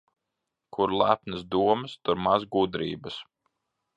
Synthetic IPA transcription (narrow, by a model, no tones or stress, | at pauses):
kʰuɾlˠæpnɨsd̪uɔməst̪uɾmazɡud̪ɾḭːbɐs